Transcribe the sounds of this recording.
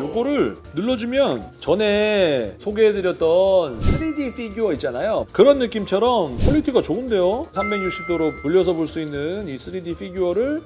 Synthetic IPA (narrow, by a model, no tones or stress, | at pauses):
joɡoɾɯɭnɯɭːʌd͡ʑumjʌnt͡ɕʌne̞sʰoɡeɦedɯɾjʌt͈̚ʌnsʰɯɾidiɸʰiɡjuʌit͡ɕ͈anajokɯɾʌnːɯk͈imt͡ɕʰʌɾʌmpʰoʎːitʰiɡat͡ɕoɯnde̞josʰambe̞ɡjuk̚ɕ͈ʰip̚t͈ʰoɾopuʎːʌsʰʌboɭs͈uinːɯnisʰɯɾidiɸʰiɡjuʌɾɯɭ